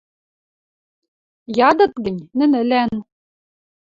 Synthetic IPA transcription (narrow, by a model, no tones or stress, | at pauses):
jɑd̪ɤ̆t̪ɡɘ̆nʲnɘ̆nɘ̆læn